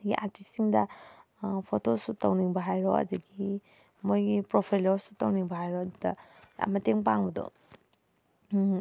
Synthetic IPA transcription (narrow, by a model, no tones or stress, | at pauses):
dɡiʔa̰ɾtisiŋdɐ | pʰotosutawniŋbɐɦajɾɔ̰ɐ̰dɐɡi | mojɡipɾopʰajlɔɾsu̥tawniŋbɐɦajɾɔɐdudɐ̰a̰mɐteŋp̬aŋbɐdɔ̰